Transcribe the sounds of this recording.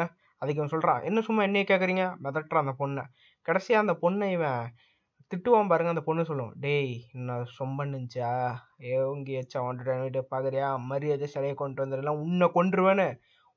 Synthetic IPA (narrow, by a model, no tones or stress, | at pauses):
ɐðɯk̬ːɯmsɔlrɾã̰ːʔɛ̰nːɐ̃sʊmːaːɪnːɛkeːkɪɾiːŋɡɐmɛðɐʈɾɐɐnd̪ɐpɔɳːɐ | kɐɽɛsɪjaːɐnd̪ɐpɔnːɐɪʋɛ̃ | t̪ɪʈːɯʋaːmpaːɾɯŋɡɐnd̪ɐpɔɳːɯsɔlːʊ̰̃ɖenːasɔmbɐnːɪɲd͡ʒaː | eːʊŋɡiɛt͡ʃːaːɐnɖɯʈɐnʋɪʈːɯpaːkɯɾɐjaːmɐɾɪɐðɯsɛlɐjɐkɔɳɖʋɐnd̪ɯðlːãːʊnːɐkɔɳɖɾɯʋẽːnɯ